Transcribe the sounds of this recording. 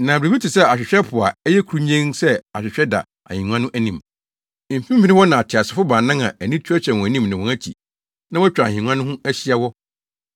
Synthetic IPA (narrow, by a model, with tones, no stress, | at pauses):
nã˨bɾe˨i˦tʰi˨sɛ˦a˨ɕᶣɪ˨ɕᶣɛ˦pʰʊ˨a˨ɛ˦jɛ˦kʰu˨ɾu˦ɲẽ˦ŋsɛ˦a˨ɕᶣɪ˨ɕᶣɛ˦da̰˨ | a̰˨hĩ˨ŋʷ˦ã˦nʊ̃˦ʔæ˦nĩ˨m | m̩˨fĩ˦fɪ˦nɪ̃˦wɔ˦nã˨a˨tʰɪ˨a˨sɪ˨˦fʊ˦bãː˨nã˦ŋã̰˨æ˨nĩ˦tʰu˦æ˦ɕᶣɛ̃˨wɔ̃˨æ˨nĩ˦m˨nã˨wɔ̃˨æ˦t͡ɕʰḭ˨ | nã˦wɔ˦t͡ɕᶣa˨ɲĩ˨ŋʷ˦ã˦nʊ̃˦ɦʊ̃˦æ˦ɕi˦a˦wɔ˦